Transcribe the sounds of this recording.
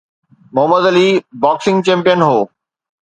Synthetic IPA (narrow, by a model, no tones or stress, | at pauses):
mʊɦəməd̪ɐliːbaːksɪ̃ŋɡt͡ɕẽːmpijənɦoː